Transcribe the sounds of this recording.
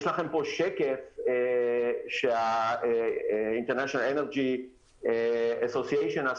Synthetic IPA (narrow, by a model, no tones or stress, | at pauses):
ʃlaχempoʃekefeʃea | int̪eʁnaʃonaleneʁd͡ʒi | easosieʃona